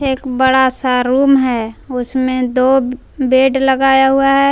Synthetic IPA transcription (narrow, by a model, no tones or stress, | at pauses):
eːkbəɽasaɾuːmɦɛːʊsmẽd̪oː | beːɖləɡaːjaɦuaɦɛː